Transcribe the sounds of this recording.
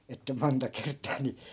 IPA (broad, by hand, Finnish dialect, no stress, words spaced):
etːæ montɑ kertˑɑː ni